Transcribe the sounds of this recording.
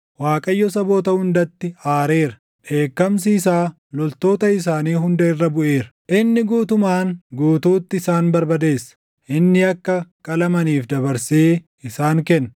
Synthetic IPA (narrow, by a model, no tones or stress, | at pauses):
waːkʼɐjːɔsɐbo̞ːt̪ɐhʊnd̪ɐt̪ːɪaːɾe̞ːɾɐ | ᶑe̞ːkːɐms̬iːs̬aː | lɔlt̪o̞ːt̪ɐɪs̬aːniːɦʊnd̪ɐɪrːɐbʊʔe̞ːɾɐ̥ʔɪnːɪɡuːt̪ʊmaːnɡuːt̪uːt̪ːɪɪsaːnbɐɾbɐd̪e̞ːsːɐ̥ | ʔɪnːɪɐkːɐkʼɐlɐmɐniːfd̪ɐbɐɾse̞ː | ɪsaːŋkɛnː